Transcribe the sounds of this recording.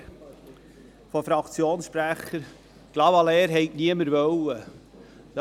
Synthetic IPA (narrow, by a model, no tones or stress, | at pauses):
fɔfɾɑkt͡sjoːnsʃpɾæχəɾ | ɡ̥lɑwɑleːɾɦɛɪkniəməɾvœwə | d̥